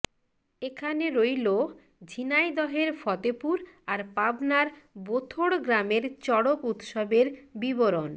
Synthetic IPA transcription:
ekʰaneɾojlo | d͡ʑʱinajd̪ɔɦeɾfɔt̪epuɾaɾpabnaɾbot̪ʰoɽɡɾameɾt͡ɕɔɽokut̪ʃɔbeɾbiboɾon

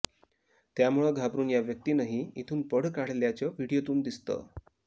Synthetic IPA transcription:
t̪jamuɭeɡʱapɾuːnjaʋjək̚t̪iːnaɦiit̪ʰuːnpəɽkaɽ̤ljat͡ɕəʋiɽijot̪uːnd̪ist̪ə̰

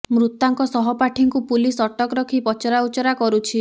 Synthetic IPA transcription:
mɾut̪ːaŋkɔsɔɦɔpaʈʰiŋkupulisɔʈɔkɾɔkʰipɔt͡ʃɔɾaut͡ʃɔɾakɔɾut͡ʃʰi

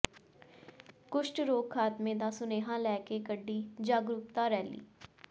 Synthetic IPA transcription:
kʊʃʈɾoːkkʰːaːt̪mẽːd̪aːsʊneːɦãːlɛːkeːkəɖːiːd͡ʒaːɡɾuk̚t̪aːɾɛːlḭː

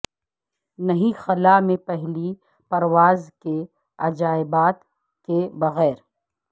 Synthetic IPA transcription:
nɐɦĩxɐlamẽpɛɦli | pɐɾwaːzke | ɐd͡ʒaːɪbaːt̪ | kebɐɣɛːɾ

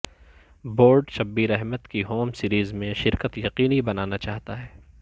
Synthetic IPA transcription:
boːɾɖʃɐbːiɾɛɦmət̪kiɦoːmsiːɾiːzmẽʃɪɾkət̪jɐqiːnibɐnaːnat͡ʃaːɦt̪aɦɛː

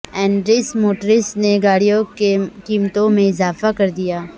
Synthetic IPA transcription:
ɛ̃ːɳɖɾɪsmoːʈəɾɪsneɡaːɽijõkekiːmt̪õmẽɪzaːfakɐɾd̪ijaː

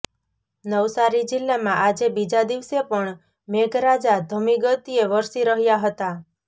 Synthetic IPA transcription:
nəʋsaɾid͡ʒɪlːamãʔad͡ʒebid͡ʒad̪iʋsepəɳ | meɡɾad͡ʒad̪ʱəmiɡət̪ieʋəɾsiɾəɦjaɦət̪a

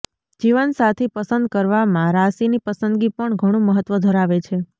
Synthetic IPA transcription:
d͡ʒiʋənsat̪ʰepəsənd̪̚kəɾʋamãɾasinipəsənd̪ɡipəɳɡʱəɽ̃ũməɦət̪ːʋəd̪ʱəɾaʋet͡ʃʰe

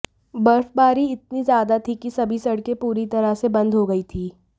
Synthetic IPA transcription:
bɐɾfbaːɾiɪt̪̚nizjaːd̪at̪ʰikisɐbʱisɐɽkẽpuːɾit̪ɐɾasebɐ̃nd̪ɦoɡɐit̪ʰiː

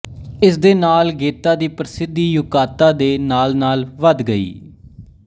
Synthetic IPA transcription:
ɪs̬d̪eːnaːlɡeːt̪aːd̪iːpɾəsɪd̪iːjʊkaːt̪aːd̪eːnaːlnaːlʋəd̪ɡəḭː

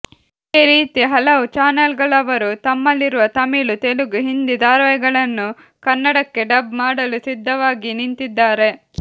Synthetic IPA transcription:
iːɾiːt̪iɦɐlɐʋut͡ʃaːnɐlɡɐɭɐʋɐɾut̪ɐmːɐlːiɾuʋɐt̪ɐmilut̪eluɡuɦind̪id̪aːɾʋɐjɐɡɐɭɐnːu | kɐnːɐɽɐkːe̞ɖɐbmaːɽɐlusid̪ʱːɐʋaːɡinint̪id̪ːaːɾe̞

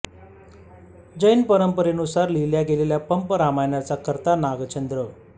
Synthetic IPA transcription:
d͡ʑəjnpəɾəmpəɾenusaɾliljaɡeleljapəmpəɾamajɳjat͡sakəɾt̪anaɡt͡ɕənd̪ɾə

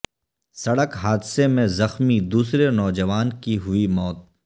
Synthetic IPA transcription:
sɐɽəkɦaːd̪semẽzɐxmid̪uːsɾenɔːd͡ʒəʋaːnkiɦʊimɔːt̪̚

